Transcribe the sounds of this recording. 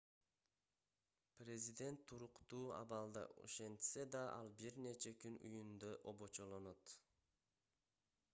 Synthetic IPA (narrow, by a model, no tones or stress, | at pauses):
prʲe̞zʲid̪e̞nt̪ʰːuɾuqt̪uːɑ̰βɑlˠd̪ɑ̰ʔṵʃe̞nt̪se̞d̪ɑʔɑ̰lˠbiɾne̞t͡ʃekynṵjund̪øʔobo̞t͡ʃo̞lˠo̞no̞t̪